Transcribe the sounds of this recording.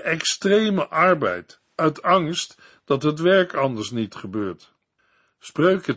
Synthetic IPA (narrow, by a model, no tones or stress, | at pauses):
ɛkstrejməʔɑɹbɛ̰jt | œɥtɑŋst | d̥ɑtɦətʋɛɹkɑndəɹsnitχəbøːɹt | sprøɥkə